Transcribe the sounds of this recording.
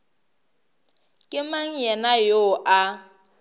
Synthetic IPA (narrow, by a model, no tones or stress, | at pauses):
kʼɪmaŋ̩jɛnajoʔa